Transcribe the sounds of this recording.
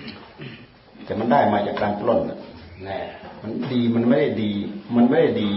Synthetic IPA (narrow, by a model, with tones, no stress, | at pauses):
t̪ɛː˨˩ma˧˨ndaː˥˩jmaː˧˩t͡ɕa˧˩klaː˧ŋpʰlo˧˥t̪̚na̰˧˩nɛ˧˩˨ma˧˨nɗiː˧ma˧˨nma˧˥˩la˧˩diː˧ma˧˨nma˧˥˨la˧˩diː˨˧